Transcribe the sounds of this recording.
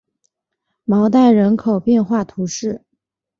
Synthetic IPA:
mɑ˧˥ʊt̪a˥˩ɪɻə˧˥nkʰo˨˩ʊpjɛ˥˧nxwa˥˩t̪ʰu˧˥ʂɻ̩˥˩

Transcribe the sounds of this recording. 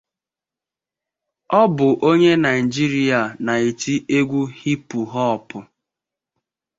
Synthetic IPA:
ɔ˦bʊ˨ʔo˦ɲe˦na˨ɪ˨d͡ʒi˦ɾi˦a˨na˨i˨ti˦e˦ɡʷu˦hi˦pu˨ɦɔ˦ɔ˨pʊ˨

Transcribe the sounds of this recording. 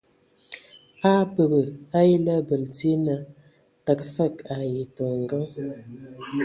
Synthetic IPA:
a˦pə˨bə˨a˦ji˦lə˦bə˨lte˦nə˨ | ta˨kfə˦˨ka˨je˨to˨ŋ˨ɡə˦ŋ

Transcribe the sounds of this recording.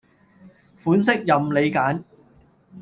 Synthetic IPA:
fuː˨˥ns̬ɪ˥k̚jɐ˨mle˨˧jkaː˨˥n

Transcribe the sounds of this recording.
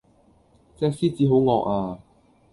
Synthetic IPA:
t͡sɛː˧k̚siː˥t͡siː˨˥ɦo˨˥wŋɔː˧k̚aː˧

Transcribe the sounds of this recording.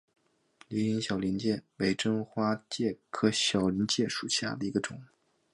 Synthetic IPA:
li˧˥i˧˥nɕjɑ˨˩ʊli˧˥nt͡ɕjɛ˥˩we˧˥ɪʈ͡ʂɤ˥ŋxwa˥t͡ɕjɛ˥˩kʰɤ˥ɕjɑ˨˩ʊli˧˥nt͡ɕjɛ˥˩ʂu˨˩ɕja̰˥˩d̪ə˩i˧˥ɡə˧ʈ͡ʂʊ˨˩˦

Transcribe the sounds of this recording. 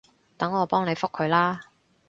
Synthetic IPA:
t̪ɐ˨˥ŋɔː˨˧pɔː˥ŋne˨˧jfʊ˥kʰːɵ˨˧ɥlaː˥

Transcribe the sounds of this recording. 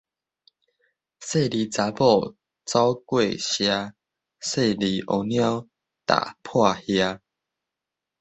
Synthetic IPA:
se˥˧˨li˨t͡sa˨˧˦bɔ˥˧˨ | t͡sa˦ʊkwe˥˧˨ɕja˧ | se˥˧li˨˩ʔo˧˩nj̃ã˦ʊ | t̪a̰˨pʰwa˥˧hja˧

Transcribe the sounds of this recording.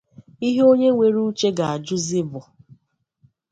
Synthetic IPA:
i˦ɦe˦o˦ɲe˦ŋʷe˦ɾu˦t͡ʃe˦ɡa˨a˨d͡ʒʊ˦zɪ˦bʊ˨

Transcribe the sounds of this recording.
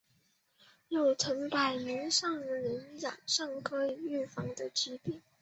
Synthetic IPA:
jo˥˩ʊʈ͡ʂʰɤ˧˥ŋpa˨˩ɪni˧˥nʂɑ˥˩ŋə˧˥ni˧˥nja˨˩ŋʂɑ˥˩ŋkʰɤ˥i˨˩y˥˩fɑ˧˥ŋd̪ə˧t͡ɕi˥pi˥˩ŋ

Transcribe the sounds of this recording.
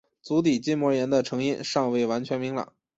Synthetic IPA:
t͡su˧˥t̪i˨˩t͡ɕi˥nmwɔ˧˥jɛ˧˥nd̪ə˧ʈ͡ʂʰɤ˧˥ŋi˥˧nʂɑ˥˧ŋwe˥˩ɪwa˧˥nt͡ɕʰɥɛ˧˥nmi˧˥ŋlɑ̰˨˩˦ŋ

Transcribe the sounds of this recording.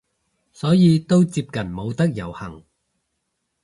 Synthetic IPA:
sɔː˨˥jiː˨˧t̪o˥wt͡siː˧p̚kɐ˨˩nmo˨˧wt̪ɐ˥k̚jɐ˨˩whɐ˨˩ŋ

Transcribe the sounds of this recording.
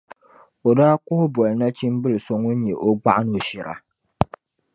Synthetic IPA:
o˨daː˦kʊ˦hʊ˦bɔ˨lna˦t͡ʃi˦m˦bɨ˦lɨ˨so˨ŋo˦n̩˦ɲɛ˨ʔo˦ɡ͡ba˦ʔa˦no˨ʃɪ˨ɾʔa̰˨

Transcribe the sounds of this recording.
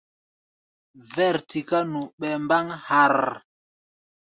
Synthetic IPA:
vɛ˦˨ɾti˨ka˦nu˨ɓɛ˨mba˦ŋha˨ɾ

